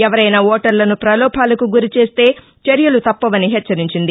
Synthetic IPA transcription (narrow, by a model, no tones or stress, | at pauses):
ɛʋɐɾɐjnɐɔːʈɐɾlɐnupɾɐlɔːpʰaːlɐkuɡuɾit͡ʃe̞ːst̪e̞ː | t͡ʃeɾjɐlut̪ɐpːɐʋɐniɦɛt͡ʃːɐɾiɲt͡ʃind̪i